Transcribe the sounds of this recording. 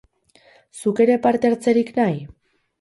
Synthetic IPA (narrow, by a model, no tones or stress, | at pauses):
suke̞ɾe̞paɾt̪eaɾt͡se̞ɾiknaj